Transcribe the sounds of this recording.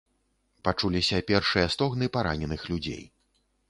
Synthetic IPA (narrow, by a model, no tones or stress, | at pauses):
pat͡ʂulʲisʲɐpʲɛrʂɨjɐst̪ɔɣnɨpaɾa̰nʲɛnɨxlʲud͡zʲḛj